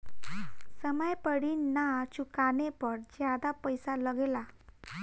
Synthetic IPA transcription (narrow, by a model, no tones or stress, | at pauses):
səməjpəɽiːnːat͡ɕukanepəɽd͡ʑjad̪apəjsaləɡela